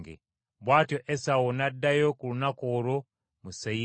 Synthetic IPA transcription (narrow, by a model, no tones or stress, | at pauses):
ɡḛ | βwaːtjo̞ʔesawonadːajokulunakoːɾo | musei